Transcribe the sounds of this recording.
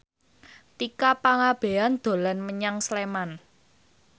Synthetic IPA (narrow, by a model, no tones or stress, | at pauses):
t̪ikapaŋab̥e̤and̪̥o̤lanməɲaŋsleman